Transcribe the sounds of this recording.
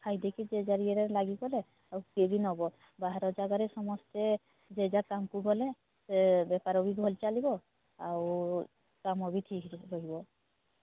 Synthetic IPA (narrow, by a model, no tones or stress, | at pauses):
kʰajd̪ekid͡ʒed͡ʒaɾiɛɾɛlaɡikɔlɛ | awkebinɔbɔ | baɦaɾɔd͡ʒaɡaɾɛsɔmɔstɛ | d͡ʒed͡ʒakamkuɡɔlɛ | sebɛpaɾɔbiɡʱɔlt͡ʃalibɔ | aw | kamɔbitʰikɾɔɦibɔ